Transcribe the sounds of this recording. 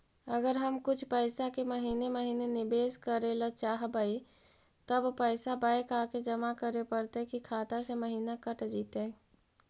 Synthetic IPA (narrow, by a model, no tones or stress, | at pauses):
əɡəɾɦəmkʊt͡ʃʰpəɪsakeməɦineməɦinenibeskəɾelət͡ʃaɦbəi | t̪əbpəɪsabəjkaked͡ʒəmakəɾepəɾt̪ɛkikʰat̪aseməɦinakəʈd͡ʒit̪e